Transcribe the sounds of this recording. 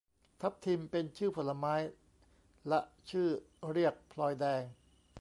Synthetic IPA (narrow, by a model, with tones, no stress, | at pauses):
t̪ʰa˦˥p̚t̪ʰi˧mpe˧nt͡ɕʰɯː˥˩pʰo˩la˧maː˦˥j | lɛ˦˥ʔt͡ɕʰɯː˥˩ | ɾi˥˩ək̚pʰlɔː˧jdɛː˧ŋ